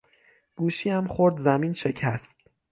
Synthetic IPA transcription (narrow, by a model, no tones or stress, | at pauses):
ɡ̥uːʃiːæmxoɾd̪zæmiːnʃe̞cʰæst̪